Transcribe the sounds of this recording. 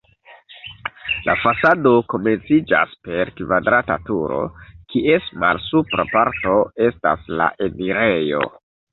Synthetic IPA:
lʔafasado̞ko̞me̞nt͡sid͡ʒa̰spe̞ɾkvadɾatatuɾo̞̰kʰiʔe̞sma̰lsupɾapaɾto̞e̞stasla̰ʔe̞niɾe̞jo̞̰

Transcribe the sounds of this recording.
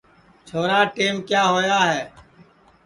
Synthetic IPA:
t͡ʃʰoːɾaːʈeːmkjaːɦoːjaːɦɛː

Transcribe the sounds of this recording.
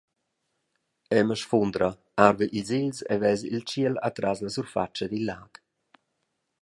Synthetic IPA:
ɛməʃfund̪ɾa | aɾvəʔiziʎsɛ̰vɛzḭlt͡ʃiəla̰t̪ɾazlasuɾfa̰t͡ʃəd̪ilːaːk

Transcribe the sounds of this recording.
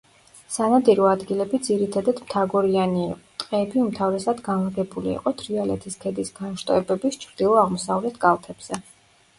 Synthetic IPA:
sanad̪iɾɔad̪ɡilɛbid̪ziɾit̪ʰad̪ad̪mt̪ʰaɡɔɾianit̪ʼqʼɛːbiumt̪ʰavɾɛsad̪ɡanlɡɛbulḭḭqʼɔt̪ʰɾialɛ̰t̪ʰiskʰɛd̪isɡ̥anʃt̪ʼɔɛbɛbist͡ʃʰɾd̪ilˠɔaʁmɔsavlɛt̪ʰkʼalˠt̪ʰɛb̥z̥ɛ

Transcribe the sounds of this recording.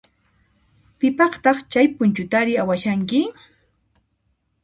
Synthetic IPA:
pɪpɑχt̪ɑχt͡ʃajpʊnt͡ʃʊt̪aɾɪawaʃaŋkɪ

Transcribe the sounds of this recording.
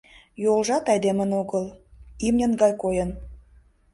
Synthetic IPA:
jolˠʒɑt̪ɑjd̪emə̆noɣəlˠimnʲə̆nɡɑjkojə̆n

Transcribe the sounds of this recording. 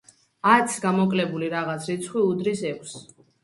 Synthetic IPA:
at̪sʰɡamɔkʼlɛbuliɾaʁat̪sʰɾit̪sʰχwiud̪ɾisɛkʷʰs

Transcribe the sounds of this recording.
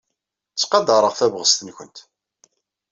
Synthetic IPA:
t͡sːqɑd̪ɑɾˤəʁθævʁəst̪ənçənt̪

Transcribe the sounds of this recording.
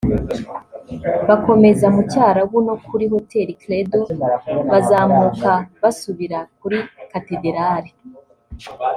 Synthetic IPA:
βako̞me̞zamucaːɾawunokʰuɾiɦo̞te̞ɾikledo̞βazaːmukaβasuβiɾak̚uɾikatedeɾaːɾi

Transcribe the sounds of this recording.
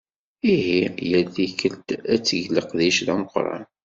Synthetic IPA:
iɦijəθikəlt̪æt͡sːəʝləqðiʃðæməqɾˤɑ̰n

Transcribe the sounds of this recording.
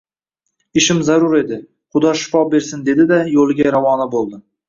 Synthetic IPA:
ɪʃɪmzaɾʊɾe̞d̪ɪ | χʊd̪ɒʃɪ̥fɒbe̞ɾsɪnd̪e̞d̪ɪd̪ajolˠɪɡʲajaɾavɒnabolˠd̪ɪ

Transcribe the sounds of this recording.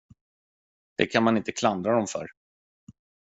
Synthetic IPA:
d̪̥ɛ̰kʰanmanɪnt̪əkʰland̪ɾad̪ɔmfœ̰ɾ

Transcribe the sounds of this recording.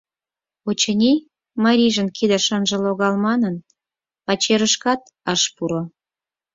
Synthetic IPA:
ot͡ɕənʲi | mɑɾʲiʒənkid̪ə̆ʃɑnʒə̆loɣɑlmɑnən | pɑt͡ɕeɾəʃkɑt̪ | ɑʃpuɾo

